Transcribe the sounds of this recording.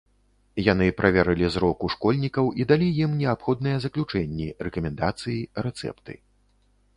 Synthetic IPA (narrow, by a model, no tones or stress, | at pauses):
janɨpɾʔavʲɛɾɨlʲizɾɔkuʂkɔlʲnʲikɐwʔid̪alʲijimnʲɛapxɔd̪nɨjɛzɐklʲut͡ʂɛnʲːirɛkɐmʲɛnd̪at̪sɨjiɾɛt̪sɛ̰pt̪ɨ̰